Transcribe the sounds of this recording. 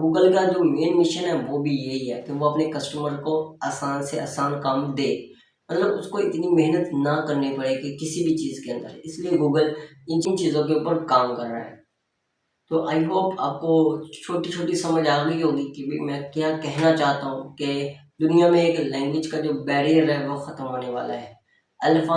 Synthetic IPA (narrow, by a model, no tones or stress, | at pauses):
ɡuːɡəlkad͡ʒoːmeːnmɪʃənɦɛʋobʱijeɦiɦɛːkeʋoɐpnekɐsʈəməɾkoaːsaːnsea̰ːsaːnkaːmd̪eː | mɐt̪ləbʊskoɪt̪nimɪɦnət̪nɐkɐɾnepɐɽeːɡekɪsibʱit͡ʃiːzkeɐ̃nd̪əɾɛɪslieɡuːɡəl | ɪ̃nt͡ʃint͡ʃiːzõkeuːpəɾkaːmkɐɾːa̰ɦɛː | t̪oːʔaːɪɦoːka̰ːp̚kot͡ʃʰoːʈit͡ʃʰoːʈisɐməd͡ʒaːɣɐiɦoːɡikibḭmɛ̃kjaːkɛɦnat͡ʃaːɦt̪aɦũked̪ʊnijamẽeːklɛ̃ːŋɡwɪd͡ʒkad͡ʒoːbɛːɾijəɾɦɛʋoxɐt̪əmɦoːneʋa̰ːla̰ɦɛː | ɐlfaː